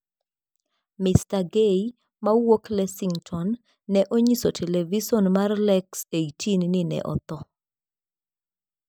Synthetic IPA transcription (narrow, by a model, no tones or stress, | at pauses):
mɪstaɡeji | mawoklɛsiŋtʰɔnː | ɛʔoɲisotʰɛlevisɔnmarlɛkseitinnɪnɛ̰ʔɔ̰t̪ɔ